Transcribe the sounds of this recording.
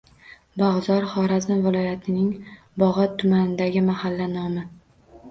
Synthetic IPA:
bɒʁzɒɾχɒɾaznvɪlɒjat̪ʰɪnɪŋ | bɒʁɒtt̪ʰːʊmanɪd̪aɡʲɪmahalːanɒmɪ

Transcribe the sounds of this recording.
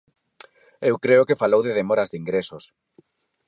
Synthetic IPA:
ewkɾeʊkefalowðeðemɔɾazðiŋɡɾesos

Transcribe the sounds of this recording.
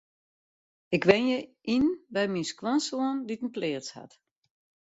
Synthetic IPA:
ɪkʋɛnjəʔinbɛjminskwansoənditən̩plɪəsha̰t

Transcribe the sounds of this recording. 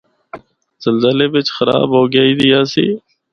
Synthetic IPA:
z̥əlzəleːʋɪt͡ʃxəɾa̰ːbɦoːɡjaːiːd̪ɪjaːsḭː

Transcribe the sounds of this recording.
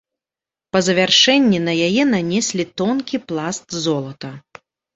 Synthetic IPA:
pɐzɐvʲarʂɛnʲːinɐjajɛnanʲɛsʲlʲit̪ɔnkʲiplˠast̪zɔlˠɐt̪ɐ

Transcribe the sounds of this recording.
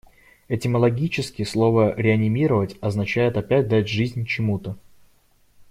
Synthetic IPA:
ɛtʲɪməlˠɐɡʲit͡ɕɪskʲɪslˠo̞vəɾʲɪɐnʲɪmʲiɾəvətʲɐznɐt͡ɕæjɪt̪ɐpʲæt̚ʲd̪atʲʐɨzʲnʲt͡ɕɪmut̪ə

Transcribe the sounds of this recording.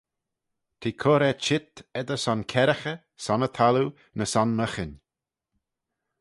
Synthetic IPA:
t̪ʰiːkʰoɾɛt͡ʃɪt̪ɛd̪əsɔnkʰɛɾəxə | sɔnət̪ʰalu | nəsɔnməxɪnʲ

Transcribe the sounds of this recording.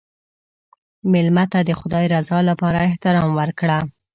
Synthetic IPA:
mɪlmat̪ad̪əxʊd̪ɑjɾazɑlapɑɾaɪht̪ɪɾɑmwəɾkɽa

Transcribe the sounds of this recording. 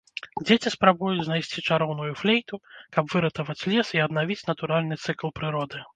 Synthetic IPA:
d͡zʲet͡sʲispɾabujud͡zʲznajsʲt͡sʲit͡ʂaɾɔwnujuflʲejt̪ukɐbvɨɾɐt̪ɐvɐt͡sʲlʲɛsiɐd̪navʲit͡sʲnɐt̪uɾalʲnɨt̪sɨklˠpɾɨɾɔd̪ɨ

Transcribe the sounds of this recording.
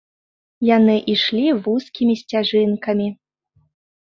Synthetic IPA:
janɨʔiʂlʲivuskʲimʲisʲt͡sʲaʐɨnkɐmʲi

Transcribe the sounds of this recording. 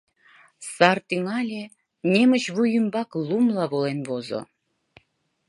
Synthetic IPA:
sɑrt̪iŋɑlʲe | nʲemə̆ɕβujəmbɑklumlɑβolenβozo̰

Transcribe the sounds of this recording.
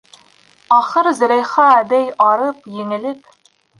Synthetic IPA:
ɒχɤɾzɘ̆ɾæjχɑæd̪æjɑɾɤpjɘ̆ŋɘ̆lɘp

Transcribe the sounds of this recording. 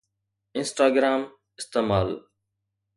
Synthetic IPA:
ɪ̃nsʈaːɡɾaːm | ɪst̪eːmaːl

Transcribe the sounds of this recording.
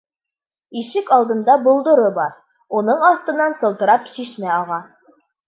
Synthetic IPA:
iʃɘkɑlˠd̪ɤ̆nd̪ɑbulˠd̪ŏɾɤbɑɾ | unɤɴɑθt̪ɤ̆nːɑnsɤ̆lˠt̪ɤ̆ɾɑpʃiʃmæɑʁɑ

